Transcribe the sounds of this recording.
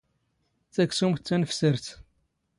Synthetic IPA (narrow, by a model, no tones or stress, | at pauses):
θæksumt͡s̪ːænfsəɾt̪